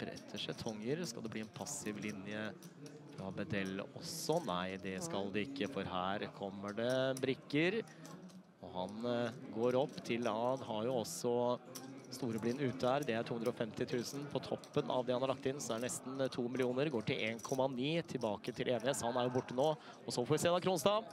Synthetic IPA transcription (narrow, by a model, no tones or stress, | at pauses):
b̥ɾɛ̰t̪ʰːəʂɛt̪ʰɔŋːəɾskɑ̰ld̪ɛbliːɛnpʰɑsɪʋlɪnjə | fɾɔbɛd̪ɛlːə̰ʔɔsːɔnæɪd̪ɛskɑld̪ɛɪkːəfɔɾhæːɾkʰɔmːəɖɛbɾɪkːəɾ | ɔhɑnɡoːɾɔpːt̪ʰɪlɑd̪ɦɑɾjʊɔsɔ | st̪uːɾəblɪnʉːt̪ːəhæːɾd̪ɛæɾʈʰuːɵnd̪ɾɔfɛmt̪ɪt̪ʰʉːsən̩pʰɔt̪ʰɔpːənʔɑ̰ʋd̪ɛhɑnhɑɾɭɑkt̪ɪnːsɔd̪æɖɛnɛst̪n̩t̪ʰuːmɪlɪuːnəɾɡoːʈɪlʔḛːnkʰɔmːɑniːt̪ʰɪlbɑːkət̪ʰɪlʔeːnɪheːsɔhɑnæɾjʊbʊʈːənoː | ɔsɔfɔːɾʋɪseːd̪ɑːkʰɾuːnst̪ɑːʋ